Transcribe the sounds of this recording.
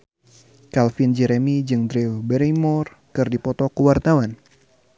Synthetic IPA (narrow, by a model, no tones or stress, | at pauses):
kalfind͡ʒɛɾɛmid͡ʒɨŋdɾiwbɛɾimɔr | kɨrdipɔt̪ɔkuwart̪awan